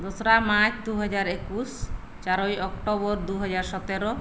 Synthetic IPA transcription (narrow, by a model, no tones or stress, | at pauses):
d̪osɾamat͡ɕd̪uɦɔd͡ʒaɾekus | t͡ʃaɾojɔkʈobɔɾd̪uɦɔd͡ʑaɾʃɔt̪eɾo